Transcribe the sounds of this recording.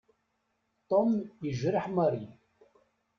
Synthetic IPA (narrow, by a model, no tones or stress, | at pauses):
t̪ʼomiʒɨrħmɐɾi